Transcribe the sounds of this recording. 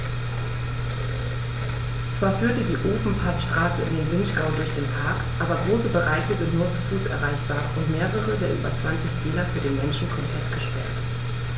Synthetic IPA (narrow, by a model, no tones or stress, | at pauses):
t͡sv̥aːɐfyːɐtədiːʔoːfn̩pʰasʃtʁ̥aːsəɪ̰ndeːnvɪnʃɡ̥aʊndʊɐçd̥eːnpʰaɐkʔaːbɐɡʁoːsəbəʁaɪçəzɪntnuːɐt͡sufuːsʔɛɐʁaɪçb̥aːɐʔʊntmeːʁəʁəvdɛːɐʔyːbɐt͡sv̥ant͡sɪçdʰiːnɐfyːɐdeːnmɛnʃn̩kʰɔmpʰl̥ɛtɡ̥əʃpɛ̰ɐt